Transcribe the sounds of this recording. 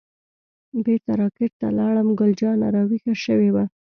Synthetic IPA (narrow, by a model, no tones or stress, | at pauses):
beɾt̪aɾɑkɪɾt̪a̰lɑɽəmɡʊld͡ʒɑna̰ɾɑwixaʃəwewa